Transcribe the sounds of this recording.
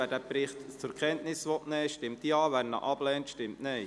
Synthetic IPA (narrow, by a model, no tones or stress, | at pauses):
æːdæːpɾɪχtt͡sʊɾkχɛntnɪsʋɔtnɛːʃtɪmt̪iɑːʋæɾnɑ̰ʔɑb̥lɛːntʃtɪmtneɪ